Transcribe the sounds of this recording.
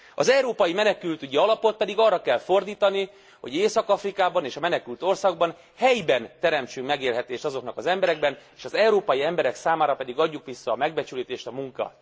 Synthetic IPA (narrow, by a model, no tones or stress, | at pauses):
ɒzɛwɾoːpɒjimɛnɛkylt̪yɟiɒlɒpo̞t̪̚pɛd̪iɡɒrːɒkɛlfo̞rd̪iːt̪ɒni | ho̞̰ɟeːsɒkɒfrikaːbɒneːʃɒmɛnɛkylt̪o̞rsɒɡ̚bɒn | hɛjbɛnt̪ɛɾɛmt͡ʃykmɛɡeːlɦɛt̪eːʃt̪ɒzo̞knɒkɒzɛmbɛɾɛɡ̚bɛneːʃɒzɛwɾoːpɒjiɛmbɛɾɛksaːmaːɾɒpɛd̪iɡɒɟːukʋisːɒːmɛɡ̚bɛt͡ʃyliːt̪eːʃt̪ɒmuŋkɒ̰